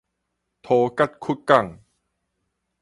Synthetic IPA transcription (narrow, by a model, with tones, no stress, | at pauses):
t̪ʰoː˧ka˥˩t̪̚kʰu˦˥t̪̚ka˥˩ŋ